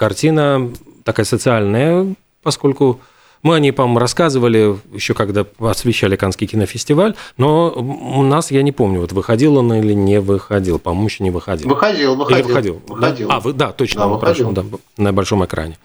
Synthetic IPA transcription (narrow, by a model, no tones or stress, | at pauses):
kɐrtʲinət̪ɐkajəsət̪sɨalʲnəjə | pɐsko̞lʲkʊ | mɨɐnʲipɐmomʊɾɐskazɨvəlʲɪjɪɕːokɐɡd̪aɐsvʲɪɕːalʲɪkanskʲɪjkʲɪnəfʲɪsʲtʲɪvalʲno̞ʊnasjanʲɪpo̞mnʲʊvo̞t̪vɨxɐdʲilˠonilʲɪnʲɪvɨxɐdʲilˠpɐmɐmʊjɪɕːonʲɪvɨxɐdʲilɨxɐilˠvɨillɪvɨxɐdʲilˠd̪aavɨd̪at̪ot͡ɕnpɾaʂˠd̪a | nəbɐlʲʂo̞mɨkɾʔa̰nʲɪ